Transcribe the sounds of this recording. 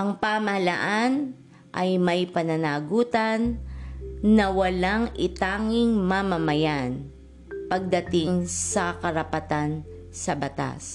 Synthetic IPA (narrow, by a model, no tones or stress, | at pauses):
ʔɐŋpamɐhɐlaʔan | ʔɐjmɐjpɐnɐnaːɡuːt̪ɐnː | ɐwɐlaŋʔɪt̪aːŋɪŋmamɐmɐjan | pɐɡ̚d̪ɐt̪ɪŋsɐkɐɾɐpɐt̪an | sɐbɐt̪a̰s